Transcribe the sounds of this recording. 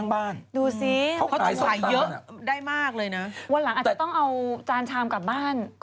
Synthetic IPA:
a˥˩ŋbaː˥˩nduː˧si˧˦˩wkʰa˦˥˧a˩˦ɤ˧˦˥ʔdaː˥˩jmaː˥˩k̚lɤː˧jna˦˥wa˧nla˩˦ŋʔaː˨˩t̪t͡ɕːt̪ɔ˥˩ŋʔa˧wt͡ɕaː˧nt͡ɕʰaː˧mka˨˩p̚baː˥˩n

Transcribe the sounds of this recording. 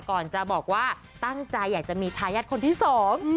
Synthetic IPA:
kɔː˨˩nt͡ɕa˨˩bɔː˨˩k̚waː˥˩ | t̪a˥˩ŋt͡ɕa˧jːaː˨˩k̚t͡ɕa˨˩miː˧t̪ʰaː˧jaː˥˩t̪̚kʰo˧nt̪iː˥˩sɔː˩˦ŋ

